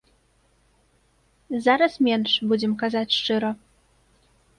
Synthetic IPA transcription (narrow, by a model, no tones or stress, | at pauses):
zaɾasmʲjɛnʂbud͡ʑɛmkazat͡ɕʲʂt͡ʂɘɾɔ